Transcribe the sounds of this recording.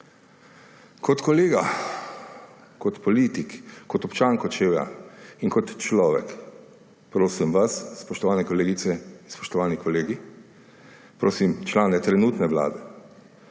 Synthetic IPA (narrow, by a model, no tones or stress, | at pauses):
kɔt̪kɔleːɡa | kɔt̪pɔliːt̪ikkɔt̪ɔpt͡ʃaːŋkɔt͡ʃeːʋɛa̰iŋkɔt̪t͡ʃlɔːʋɛ̰k | pɾoːsimʋasspɔʃt̪ɔʋaːnɛkɔleːɡit̪sɛinspɔ̥ʃt̪ɔʋaːnikɔleːɡi | pɾoːsimt͡ʃlaːnɛt̪ɾɛnuːt̪nɛʋla̰ːd̪ɛ